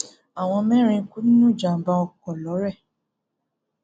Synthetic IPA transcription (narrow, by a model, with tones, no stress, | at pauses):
a˨w̃ɔ̃˧mɛ̃˦ɾ̃ĩ˧˦ku˦nĩ˦nũ˦˨d͡ʒa˨m̩˨ba˧ɔ˧kɔ˨lɔ˨˦ɾɛ˦˨